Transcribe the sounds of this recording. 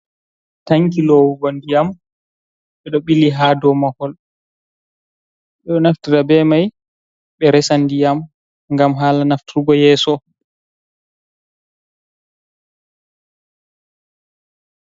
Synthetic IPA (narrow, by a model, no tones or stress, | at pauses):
taŋk̬ilɔwubandijam | ɓɛɗɔɓiliɦadɔmahɔl | ɓɛɗɔnaftiɾabɛmaj | ɓɛɾɛsandijam | ŋɡamɦaːlanaftiɾuɡɔjɛːsɔ